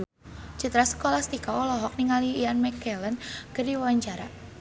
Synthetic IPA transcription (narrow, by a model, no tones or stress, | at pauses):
d͡ʒut̪ɾasə̥kolast̪ikaɔlɔɦɔk̚niŋaliːanmɛkɛlənkərdiwawaɲt͡ʃaɾa